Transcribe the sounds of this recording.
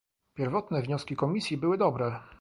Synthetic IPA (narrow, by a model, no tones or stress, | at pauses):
pʲjɛɾvɔt̪nɛvɲɔskʲikɔmʲisʲjibɘwɘd̪ɔbɾɛ